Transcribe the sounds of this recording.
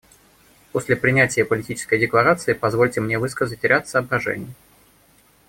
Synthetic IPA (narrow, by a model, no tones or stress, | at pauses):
posʲlʲɪpɾʲɪnʲætʲɪjəpəlʲɪtʲit͡ɕɪ̥skəjdʲɪklˠɐɾat̪sɨɪpɐzvo̞lʲtʲɪmnʲevɨskəzətʲɪɾʲat̪səɐbɾɐʐɛ̰nʲɪjə